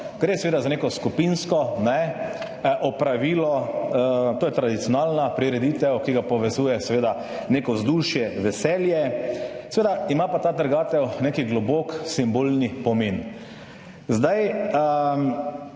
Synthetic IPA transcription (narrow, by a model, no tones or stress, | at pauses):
ɡɾeːsɛʋeːd̪azanekɔskupinskɔnɛ | ʔɔpɾaʋiːlɔ | t̪oːjɛt̪ɾad̪it̪sijɔnalnapɾiɾɛd̪it̪ɛwkiɡapɔʋɛzuːjɛsɛʋeːd̪a | neːkɔzd̪uʃjɛʋɛsɛljɛsɛʋeːd̪aimapat̪aːt̪əɾɡaːt̪ɛwneːkiɡlɔboːksimboːlnipɔmeːn | zd̪ajə